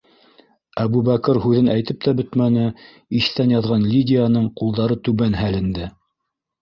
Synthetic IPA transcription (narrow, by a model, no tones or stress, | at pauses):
æβuβækɤɾhʉðɘnʔæjt̪ɘp̚t̪æbɵt̪mænɘ | iθt̪ænjɑðʁɑnlʲidʲɪjanɤɴqulˠd̪ɑɾɤt̪ʉβænhælɘ̆nd̪ɘ